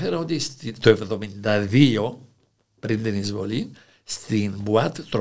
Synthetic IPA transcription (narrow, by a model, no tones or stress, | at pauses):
feɾɐo̞t̪ist̪t̪oe̞vðo̞mind̪ɐðio̞ | pɾint̪inizvo̞li | st̪inbuɐt̪t̪ɾ